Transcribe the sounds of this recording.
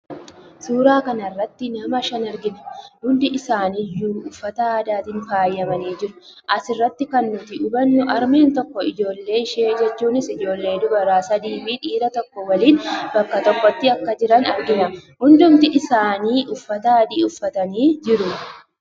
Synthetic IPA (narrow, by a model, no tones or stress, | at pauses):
suːɾaːkɐnɐrːɐt̪ːɪnɐmɐʃɐnɐɾɡɪnɐ̥hʊnd̪ɪʔɪsaːnɪjːuːʊfːɐt̪ɐaːd̪aːt̪ɪŋfaːjːɐmɐniːd͡ʒɪɾʊʔɐsɪrːɐt̪ːɪkɐnːʊt̪ɪʊbɐnːʊʔɐɾme̞ːnt̪ɔkːɔɪd͡ʒo̞ːlːe̞ːɪʃeːd͡ʒɛt͡ʃːuːnɪsɪd͡ʒo̞ːlːe̞ːd̪ʊbɐɾaːsɐd̪iːbiᶑiːɾɐt̪ɔkːɔwɐliːnbɐkːɐt̪ɔkːɔt̪ːɪɐkːɐd͡ʒɪɾɐnɐɾɡɪnɐhʊnd̪ʊmt̪ɪʔɪsaːniːʔʊfːɐt̪aːd̪iːʊfːɐt̪ɐniːd͡ʒɪɾʊ